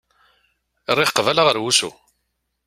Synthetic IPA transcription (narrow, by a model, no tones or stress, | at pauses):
rˤːiχqvælaʁəɾwusṵ